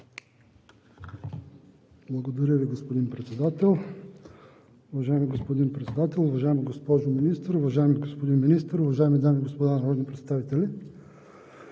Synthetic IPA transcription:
b̥lˠɐɡod̪ɐɾʲəviɡospod̪inpɾɛt̪sɛd̪at̪ɛlˠ | ʊvɐʒaɛmiɡospod̪inpɾɛt̪sɛd̪at̪ɛlˠʊvɐʒaɛmiɡospɔʒominist̪əɾʊvɐʒaɛmiɡospod̪inminist̪əɾʊvɐʒaɛmid̪amiɡospod̪anɐɾɔd̪nipɾɛt̪st̪avit̪ɛlʲi

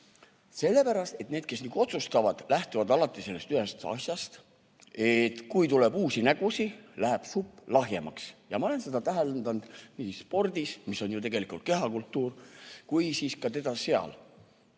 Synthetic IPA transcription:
se̞lːe̞pæɾɑst̪e̞t̪neːd̪̚ke̞sniːɡ̥uo̞t̪sust̪ɑvɑd̪̥læht̪uvɑd̪ɑlɑt̪ˑːise̞lːe̞st̪yɦe̞st̪ɑ̰sjɑst̪ | e̞t̪kujt̪ulebuːsinæɡ̥usilæɦæeb̥supːˑlɑɦje̞mɑ̰ksjɑmɑo̞le̞nse̞d̪ɑt̪æɦelend̪ɑnd̪̥nisːpo̞rd̪̥ismisːo̞njut̪e̞ɡe̞likˑult̪̚ke̞ɦɑkult̪ːˑuːrkujsiːskɑt̪e̞d̪̥ɑse̞ɑ̰l

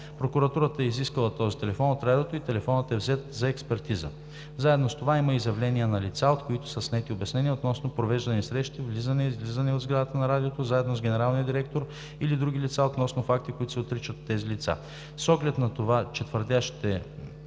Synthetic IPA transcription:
pɾokuɾɐt̪uɾət̪əɛiziskəlˠɐt̪ɔzit̪ɛlɛfɔnot̪ɾad̪ot̪oit̪ɛlɛfɔnət̪ɛvzɛt̪zɐɛkspɛɾt̪izə̰ | zaɛd̪nost̪ovaimɐizjɐvlɛnʲiɛnɐlit̪saot̪koit̪ʊ̥səsnɛt̪iobɛsnɛniəot̪nɔsnopɾovɛʒd̪ɐnisɾɛʃt̪ivlizənɛizvlizənɛod̪zɡɾad̪ət̪ənɐɾad̪iot̪ozaɛd̪nozɡʲɛnɛɾalˠnijəd̪iɾɛk̚t̪oɾ | ilid̪ɾuɡ̟ʲilit̪saot̪nɔsnofak̚t̪ikoit̪ʊsɛot̪ɾit͡ʃət̪ːɛzilit̪sa̰ | sɔɡlɛt̪nɐt̪ovat͡ʃɛt̪vəɾd̪ʲaʃi̥t̪ɛ

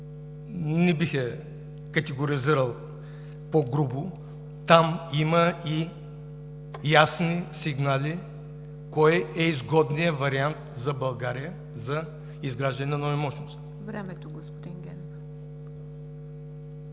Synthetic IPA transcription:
nɛbixɛ | kɐt̪ɛɡoɾiziɾəlˠ | poɡɾubʊ | t̪amiməi | jasnisiɡnali | kɔjɛizɡɔd̪nijəvɐɾiant̪zɐbɐlˠɡaɾijə | zɐ | izɡɾaʒd̪ɐnɛnɐnovɛmɔʃnost̪ | vɾɛmɛt̪oɡospod̪iŋɡʲɛn

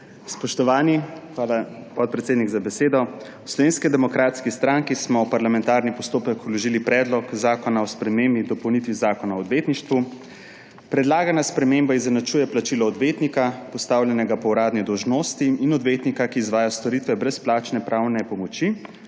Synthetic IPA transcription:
spɔʃt̪ɔʋaːniaːlapɔt̪̚pɾɛt̪seːd̪niɡzabɛseːd̪ɔwslɔʋeːnskid̪ɛmɔkɾaːt̪skist̪ɾaŋkismɔwpaɾlamɛ̃nt̪aːɾnipɔst̪oːpəkulɔʒilipɾɛːd̪lɔkzaːkɔnaɔspɾɛmembid̪ɔpɔwnit̪ʋizaːkɔnaɔːd̪ʋeːt̪niʃt̪ʋu | pɾɛd̪laːɡanaspɾɛmembaizɛnat͡ʃuːjɛplat͡ʃilɔːd̪ʋeːt̪nikapɔst̪aːwlʲjɛnɛɡapɔwɾaːd̪nid̪ɔwʒnoːst̪iːnɔd̪ʋeːt̪nikakiːzʋaːjast̪ɔɾit̪ʋɛbɾɛsplaːt͡ʃnɛpɾaːwnɛpɔmɔt͡ʃi

